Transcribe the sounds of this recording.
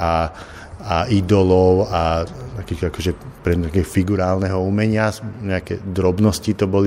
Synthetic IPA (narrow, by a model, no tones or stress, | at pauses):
a | aid̪ɔlɔʊat̪akiːxt̪ɔakɔʒɛpɾɛɲakɛɦɔfiɡuɾaːlnɛɦɔumɛɲɪaɲɛakɛd̪ɾɔbnɔscit̪ɔbɔli